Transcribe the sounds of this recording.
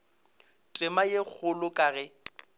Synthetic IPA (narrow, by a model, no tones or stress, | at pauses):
tʼɪmajek͡xʰʊlʊkʼaːɣɛ